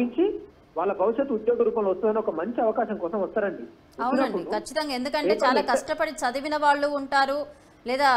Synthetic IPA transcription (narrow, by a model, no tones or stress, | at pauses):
iɲt͡ʃi | ʋaːɭːɐbʱɐʋiʃɐt̪ːud̪joːɡɐɾuːpɐmloʋɐst̪undɐneɔkɐmɐɲt͡ʃiɐʋɐkaːʃɐŋkɔːsɐmʋɐst̪aːɾɐɳɖi | ɐwnɐɐɳpːuiɽukʰɐt͡ʃːit̪ɐŋɡaːend̪ukɐɳet͡ʃaːlaːkɐʂʈɐpɐɽit͡ʃɐd̪ɐʋinɐʋaːɭːuːɳʈaːɾu | lɛːd̪aː